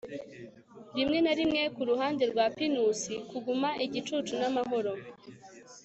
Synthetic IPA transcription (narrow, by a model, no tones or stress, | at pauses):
ɾimŋe̞naɾimŋe̞kuɾuɦaːndeɾɡwaːpinusikuɡumaʔiɟit͡ʃut͡ʃunamaɦo̞ɾo